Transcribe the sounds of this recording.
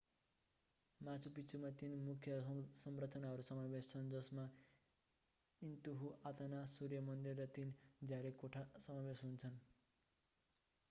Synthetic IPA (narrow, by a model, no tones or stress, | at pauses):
mat͡sʰupit͡sʰumat̪inmukʰjʌsʌmrʌt͡sʌnaɦʌɾusʌmabest͡sʰʌnd͡zʌsma | int̪uɦuʔat̪anasurjʌmʌnd̪irːʌt̪ind͡zaɾikoʈʰasʌmabesɦunt͡sʰʌn